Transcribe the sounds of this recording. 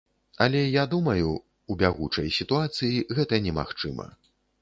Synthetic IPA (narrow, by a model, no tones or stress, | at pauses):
ɐlʲɛjad̪umɐju | ubʲaɣut͡ʂɐjsʲit̪uat̪sɨjiɣɛt̪ɐnʲɛma̰xt͡ʂɨmɐ̰